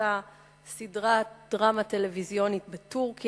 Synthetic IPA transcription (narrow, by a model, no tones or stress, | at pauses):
a | sidʁatd̥ʁamate̞levizjo̞nitbetuʁki